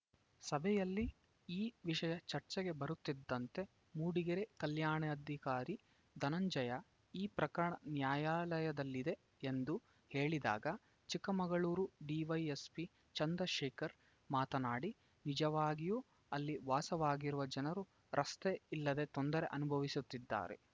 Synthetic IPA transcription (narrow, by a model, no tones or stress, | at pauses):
sɐbʱɛjɐlːi | iːʋiʃɐjɐt͡ʃɐɾt͡ʃɛɡe̞bɐɾut̪ːid̪ːɐnt̪e̞ | muːɽiɡɐɾekɐljaːɳɐɐd̪ʱikaːɾi | d̪ʱɐnɐɲd͡ʒɐjɐ | iːpɾɐkɐɾɐɳɐnjaːjaːlɐjɐd̪ɐlːid̪e̞ | end̪u | he̞ːɭid̪a̰ːɡɐ | t͡ʃikːɐmɐɡɐɭuːɾuɖiːʋɐjespi | t͡ʃɐnd̪ɾɐʃeːkɐɾ | maːt̪ɐnaːɽi | nid͡ʒɐʋaːɡijuː | ɐlːiʋaːsɐʋaːɡiɾuʋɐd͡ʒɐnɐɾu | ɾʔɐst̪e̞ilːɐd̪e̞t̪o̞nd̪ɐɾe̞ʔɐnubʱɐʋisut̪ːid̪ːa̰ːɾe̞̰